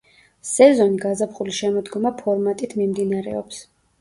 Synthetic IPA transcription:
sɛzɔniɡazapχuliʃɛmɔd̪ɡɔmapʰɔɾmat̪ʼit̪ʰmimd̪inaɾɛ̰ɔps

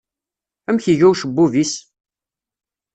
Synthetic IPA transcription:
æmçiʝæwʃəbːuvis

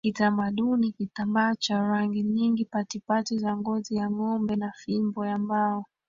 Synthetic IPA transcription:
kitamaɗunikitambaːt͡ʃaɾaŋɡiɲiŋɡipatipatizaŋɡɔzijaŋɔmbɛnafimbɔjambaɔ

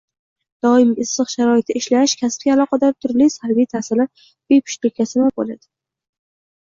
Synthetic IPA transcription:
d̪̥ɒɪmɪsːɨqʃaɾɒɪt̪ʰɪɪʃlaɪʃkʲʰasɪ̥p̚ɡʲaːlˠɒqʰɑd̪aɾt̪ʰʊɾlisalbijt̪ʰasɪlaɾ | b̥epʰʊ̥ʃlɪkʲasɪnabolad̪̥ɪ

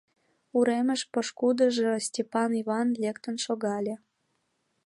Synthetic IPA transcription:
uɾemə̆ʃpoʃkud̪ə̆ʒɤ̆sʲtʲepɑniβɑnlʲekt̪ə̆nʃoɣɑlʲe

